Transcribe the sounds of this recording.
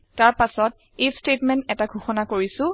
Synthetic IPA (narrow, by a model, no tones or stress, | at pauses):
taɹpasɔt̚ | ejstetmɛntɛtaɡʱuxɔnakoɹisʊ̃